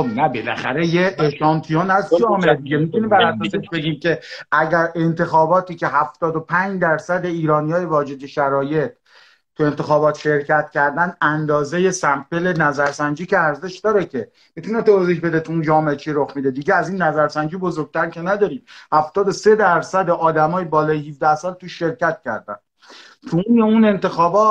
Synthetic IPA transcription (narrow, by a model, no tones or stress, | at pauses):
obnæbelæ̰xæɾe̞jeeʃɒːnt̪ʰijɑːnæzd͡ʒɒːmeʔed̪iɡemit̪ʰuniːmbæɾæsɔːseʃbe̞ɡʲiːmcʲe̞ʔæɟæɾe̞nt̪ʰe̞xɒːbɒːt̪ʰiːcʰe̞ɦæft̪ɒːd̪opʰæɲd͡ʒd̪æɾsæd̪e̞iːɾɒːnijɒːjevɒːd͡ʒe̞d̪eʃæɾɒːje̞t̪̚ | t̪ʰːue̞nt̪ʰe̞xɒːbɒːt̪ʃe̞ɾcʰæt̪cʰæɾd̪ænænd̪ɒːzeje̞sæmpe̞le̞næzæɾsænd͡ʒiːceæɾze̞ʃd̪ɒːɾecʲʰe | mit̪ʰunet̪eɾzeʃbe̞d̪et̪ʰuund͡ʒɒːmeet͡ʃʰiɾoxmid̪ed̪iɟeæziːnːæzæɾsænd͡ʒiːbozoɾɡ̚t̪ʰæɾcʰe̞næd̪ɒːɾiːm̚hæft̪ɒːd̪ose̞d̪æɾsæd̪e̞ʔɒːd̪æmɒːjebɒːlɒːjeɦifd̪æhsɒːlt̪uʃːe̞ɾcæt̪cæ̰ɾd̪æ̰n | t̪ʰuneune̞nt̪ʰe̞xɒːbɒːt̪̚